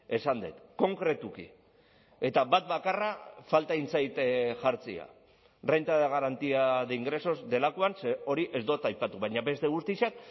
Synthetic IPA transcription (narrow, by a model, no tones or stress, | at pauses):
e̞sand̪ḛt̪ko̞ŋkɾe̞t̪ukḭ | e̞t̪aβat̪̚bakarafalt̪aint͡sajt̪ʝaɾt͡sia̰ | rent̪aðeɣaɾant̪iaðeiŋɡɾe̞so̞zd̪e̞lakoanseo̞ɾiʔe̞zd̪o̞t̪ajpat̪uβajɲabe̞st̪e̞ɣ̞ust̪iʃak̚